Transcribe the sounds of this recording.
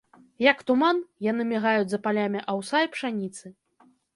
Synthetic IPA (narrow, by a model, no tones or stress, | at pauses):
jɐkt̪umanjanɨmʲɛɣajud͡zʲzɐpalʲamʲiʔɐwsajpʂanʲit̪sɨ